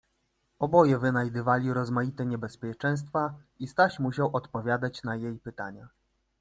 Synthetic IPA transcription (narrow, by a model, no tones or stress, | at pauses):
ɔbɔjɛvɘnajd̪ɘvalʲiɾɔzmajit̪ɛɲɛbɛspʲjɛt͡ʂɛ̃w̃st̪fa | ist̪aɕmuɕawɔt̪pɔvʲjad̪at͡ɕnajejpɘt̪a̰ɲa